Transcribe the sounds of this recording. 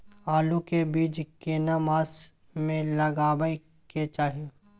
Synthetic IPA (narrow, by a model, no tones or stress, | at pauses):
aːlukebiːd͡ʒkeːnamaːs | mẽlɐɡaːbəi | ket͡ʃaːɦie